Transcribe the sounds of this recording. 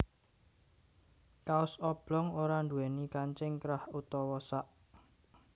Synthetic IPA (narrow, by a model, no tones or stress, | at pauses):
kaʊsɔb̥lɔŋoɾanɳd̪uwɛnikaɲt͡ʃɪŋkɾahut̪ɔwɔsaʔ